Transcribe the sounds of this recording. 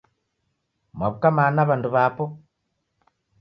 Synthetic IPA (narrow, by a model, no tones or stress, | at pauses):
mwaβukamanaβanduβaːpo